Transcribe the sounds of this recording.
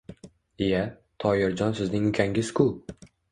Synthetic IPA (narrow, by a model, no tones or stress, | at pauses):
ija | t̪ʰɒjɪɾd͡ʒɒnsɪznɪŋʊkʲʰaŋʲɪz̥kʰʊ